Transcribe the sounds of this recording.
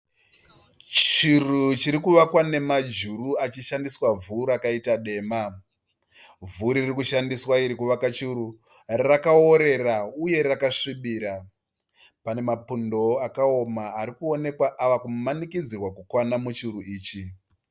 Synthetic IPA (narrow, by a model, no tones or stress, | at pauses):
t͡ʃirut͡ʃiɾikuʋakwane̞mad͡ʒuruat͡ʃiʃandiswavuɾakaitaɗe̞ːma | vuɾirikuʃandiswaiɾikuʋakat͡ʃiɾu | rakao̞ɾe̞rauje̞rakaʂiɓiːɾa | pane̞mapundo̞akao̞maːɾikuo̞ne̞kwaʔaʋakumanikid͡zirwakukwanamut͡ʃiruiːt͡ʃi